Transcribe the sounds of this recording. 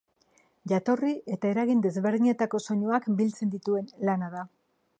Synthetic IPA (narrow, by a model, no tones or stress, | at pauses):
ʝat̪o̞riʔe̞t̪ae̞ɾaɣind̪e̞zβe̞ɾðiɲe̞t̪ako̞so̞ɲoakbilt͡se̞nd̪it̪ue̞nlanaða